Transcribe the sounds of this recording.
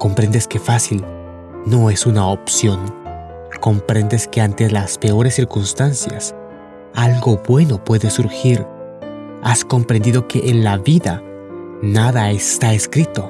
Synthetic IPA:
ko̞mpɾe̞nd̪eske̞fasil | no̞e̞sunaopsjo̞n | ko̞mpɾe̞nd̪eske̞ant̪e̞laspe̞o̞ɾesːiɾkunst̪ansja̰s | alɡo̞bwe̞no̞pwe̞ðesuɾxiɾ | asko̞mpɾe̞nd̪iðo̞keʔenlaβiða | naðaest̪aeskɾit̪o̞

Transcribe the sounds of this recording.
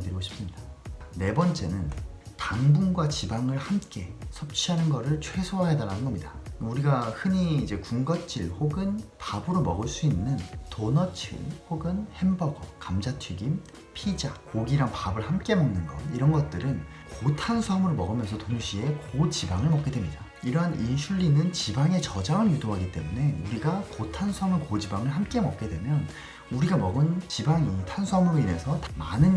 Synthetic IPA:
dɯɾiɡoɕʰi̥ps͈ɯmɲid̥ane̞bʌnt͡ɕ͈e̞nɯntaŋbunɡwat͡ɕibaŋɯɭhamk͈e̞sʰʌp̚t͡ɕʰiɦanɯnɡʌɾɯɭt͡ɕʰwe̞sʰoaɦe̞daɾanɯnɡʌmɲidauɾiɡahɯɲiːd͡ʑe̞kuŋɡʌt͡ɕ͈iɭhoɡɯnpabɯɾomʌɡɯɭs͈uinːɯntonʌt͡ɕʰḭɭhoɡɯnhe̞mbʌɡʌkamd͡ʑatʰɥiɡim | pʰid͡ʑakoɡiɾaŋpabɯɭhamk͈e̞mʌŋnɯnɡʌ̰niɾʌnɡʌt̚t͈ɯɾɯn | kotʰansʰuamɯɾomʌɡɯmjʌnsʰʌtonuɕʰie̞kod͡ʑibaŋɯɭmʌk͈e̞dwemɲida | iɾʌɦanʔinɕʰuʎːinɯnt͡ɕibaŋe̞t͡ɕʌd͡ʑaŋɯnjudoɦaɡit͈e̞mune̞uɾiɡakotʰansʰuamɯkod͡ʑibaŋɯɭhamk͈e̞mʌk̚k͈e̞dwe̞mjʌn | uɾiɡamʌɡɯnt͡ɕibaŋitʰansʰuamɯɾoine̞sʰʌtmanɯn

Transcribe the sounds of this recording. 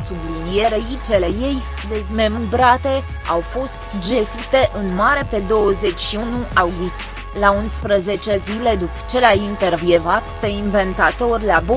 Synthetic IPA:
sublinijeɾeit͡ʃele̞je̞j | d̪ezme̞mɨbɾat̪e̞ | awfo̞st̪d͡ʒe̞sit̪e̞ʔɨnmaɾe̞pe̞d̪o̞wəze̞t͡ʃʃiunuʔawɡust̪ | launspɾəze̞t͡ʃezile̞d̪upə̥t͡ʃe̞lajint̪e̞rvjevat̪pe̞inve̞nt̪at̪o̞rʲlabo

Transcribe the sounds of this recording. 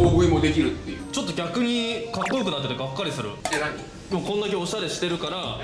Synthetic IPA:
oːɡɯimo̞d̪e̞kʲiɾɯ̟t̪ːejɯt͡ɕo̞t̪ːo̞ɡʲakɯ̟ɲ̟ikakːojokɯ̟nat̪ːet̪eɡakːaɾʲisɨɾɯ̟̰ai | mokõ̞nd̪ake̞o̞ɕaɾe̞ɕi̥t̪e̞ɾɯ̟kaɾa

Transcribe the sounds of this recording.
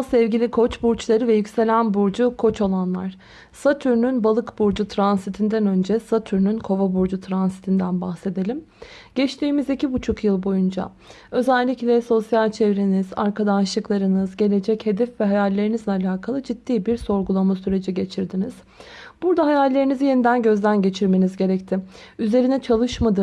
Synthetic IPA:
sɛvɟilʲikʰo̞t͡ʃbuɾt͡ʃlˠaɾɯvɛjycse̞lʲænbuɾd͡ʒukʰo̞t͡ʃo̞lˠanlˠa̰ɾ̥ | sat̪ʰyɾnynbalˠɯkbuɾd͡ʒut̪ʰɾansit̪ʰind̪ænø̞nd͡ʒɛsat̪ʰyɾnynkʰo̞vabuɾd͡ʒut̪ʰɾansi̥t̪ʰind̪ænbaxse̞d̪elʲim | ɟ̥ɛt͡ʃt̪ʰiːmizicibut͡ʃʰukjɯlˠbo̞jund͡ʒa̰ | ø̞zælʲːiclʲɛso̞sjalʲt͡ʃʰevɾeniza̰ɾkʰad̪anʃlˠɯklˠaɾɯnɯzɟe̞lʲe̞d͡ʒɛche̞d̪ɛfvɛɦajalʲːe̞ɾinizlʲɛalʲaːkʰalˠɯd͡ʒid̪ːiːbiɾso̞ɾɡulˠamasyɾe̞d͡ʒiɟe̞t͡ʃʰiɾd̪iniz̥ | b̥uɾd̪aɦajalʲːe̞ɾinizije̞nid̪ænɟø̞zlʲænɟe̞t͡ʃʰiɾme̞nizɟe̞ɾɛct̪ʰɪyze̞ɾinɛt͡ʃʰalˠɯʃmad̪ɯ

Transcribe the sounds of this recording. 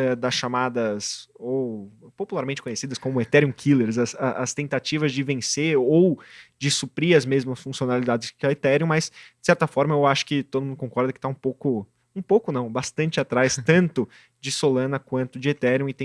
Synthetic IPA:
ɛd̪ɐsʃamad̪ɐsowpopulaɾmẽnt͡ʃɪ̥kõɲesid̪ɐskõmʊet̪ɛɾiõkʰileɾzɐsɐʔɐst̪ẽnt̪at͡ʃivɐzd͡ʒɪvẽseɾowd͡ʒɪsupɾiɐzmezmɐsfũsionalid̪ad͡ʒɪskɪet̪ɛɾjõmɐzd͡ʒɪ̥sɛɾt̪ɐfɔɾmɐewaʃʊ̥kɪt̪od̪ʊmũd̪ʊkõkɔɾd̪ɐkɪ̥t̪aũpowkʊ | ũpowkʊnɐ̃w̃bast̪ɐ̃nt͡ʃɪat̪ɾajst̪ɐ̃nt̪ʊ | d͡ʒɪsolɐ̃nɐkwɐ̃nt̪ʊd͡ʒɪet̪ɛɾiõɪt̪ẽ

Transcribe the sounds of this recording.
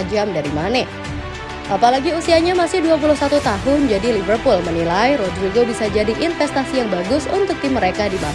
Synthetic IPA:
d͡ʒamdaɾimanɛ | ʔapalaɡiusiɦaɲamasɪhduap̬ulʊhsat̪ut̪aɦʊnd͡ʒadilivərpulmənilajɾɔd̪ɾuɡobisad͡ʒadiʔɪnfɛst̪asijaŋbaɡʊsunt̪ʊk̚t̪imːəɾekadima

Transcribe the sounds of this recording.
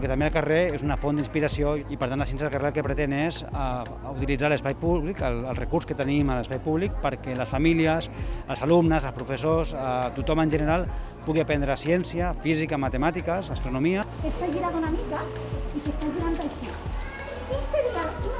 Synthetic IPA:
ket̪ambeəlˠkareezunəfond̪inspiɾasioipəɾt̪antas̬ɛnsjəlˠkəreəlˠkepɾət̪eneza | ut̪ilid͡zaləspajpuβlikələlˠrəkuɾskət̪ənimələspajpuβlik̚pəɾkɛləsfamiliəzəlzalumnəzəlˠspɾufəsozət̪ut̪ɔmənʲʒənəɾalˠ | puɣiapɛnd̪ɾəːsiɛnsjəfizikamat̪əmat̪ikəsast̪ɾunumiəket̪faʒiɾaðunamika | ikest̪aʒiɾant̪ajʃi | kiseðia

